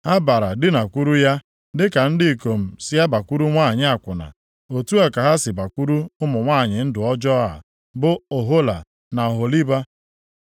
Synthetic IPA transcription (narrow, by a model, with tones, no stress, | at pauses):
ha˦ba˨ɾa˨dɪ˦na˨kʷu˦ɾu˦ja˦ | dɪ˦ka˨n̩˦dɪ˦i˨ko˨m̩˨sɪ˦ja˦ba˨kʷu˦ɾu˦ŋʷa˦˨ɲɪ˦a˨kʷʊ˨na̰˨ | o˨tu˦a˨ka˨ɦa˦sɪ˨ba˨kʷu˦ɾu˦ʊ˦mʊ˨ŋʷaː˦˨ɲɪ˨n̩˦dʊ˨ɔ˦d͡ʒɔ˦a̰˨ | bʊ˦o˨ɦo˦la̰˨ | na˨ɔ˨ɦo˨li˦ba˦